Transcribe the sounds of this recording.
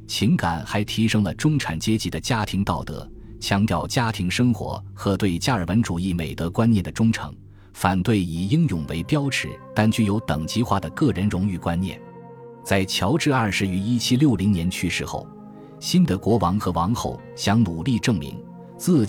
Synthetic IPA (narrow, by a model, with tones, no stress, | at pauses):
t͡ɕʰi˧˥ŋka˨˩nxa˧˥ɪt̪ʰi˧˥ʂɤ˥ŋlə˨ʈ͡ʂʊ˥ŋʈ͡ʂʰa˨˩nt͡ɕjɛ˥t͡ɕi˧˥d̪ə˧t͡ɕja˥t̪ʰi˧˥ŋt̪ɑ˥˩ʊt̪ɤ̰˧˥ | t͡ɕʰjɑ˧˥ŋt̪jɑ˥˩ʊt͡ɕja˥t̪ʰi˧˥ŋʂɤ˥ŋxwɔ̰˧˥ | xɤ˧˥t̪we˥˧ɪt͡ɕja˥˩ə˞˨˩wə˧˥nʈ͡ʂu˨˩i˥˩me˨˩ɪt̪ɤ˧˥kwa˥njɛ˥˩nd̪ə˩ʈ͡ʂʊ˥ŋʈ͡ʂʰɤ̰˧˥ŋ | fa˨˩nt̪we˥˩ɪi˨˩i˥ŋjʊ˨˩ŋwḛ˧˥ɪpjɑ˥ʊʈ͡ʂʰɻ̩˧˥t̪a˥nt͡ɕy˥jo˧˥ʊt̪ɤ˨˩ŋt͡ɕi˧˥xwa̰˥˩d̪ə˩kɤ˥˩ɻə˧˥nɻʊ˧˥ŋy˥˩kwa˥nnjɛ̰˥˩n | t͡sa˥˩ɪt͡ɕʰjɑ˧˥ʊʈ͡ʂɻ̩˥˧ɐ˞˥˩ʂɻ̩˧˥y˧˥i˥t͡ɕʰi˥ljo˥˩ʊli˧˥ŋnjɛ˧˥nt͡ɕʰy˥ʂɻ̩˥˧xo̰˥˩ʊ | ɕi˥nd̪ə˨kwɔ˧˥wɑ˧˥ŋxɤ˧˥wɑ˧˥ŋxo̰˥˩ʊ | ɕjɑ˧˥ŋnu˨˩li˥˧ʈ͡ʂɤ˥˩ŋmḭ˧˥ŋ | t͡sɹ̩˥˩